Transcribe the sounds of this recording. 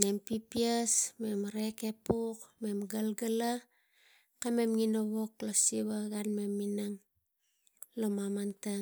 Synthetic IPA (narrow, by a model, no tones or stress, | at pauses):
ne̞mpipiasme̞mɾeke̞pukme̞mɡalɡala | kame̞mŋinoβo̞klosiβaɣanme̞mːinaŋ | lomamanta